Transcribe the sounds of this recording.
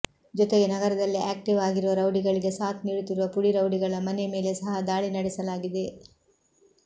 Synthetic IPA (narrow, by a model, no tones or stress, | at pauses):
d͡ʒɔt̪eɡenɐɡɐɾɐd̪ɐlːiʔaːk̚ʈiʋaːɡiɾuʋɐɾɐwɖiɡɐɭiɡe̞saːt̪niːɽut̪iɾuʋɐpuɽiɾɐwɖiɡɐɭɐmɐneme̞ːle̞sɐɦɐd̪aːɭinɐɽɛsɐlaːɡid̪e̞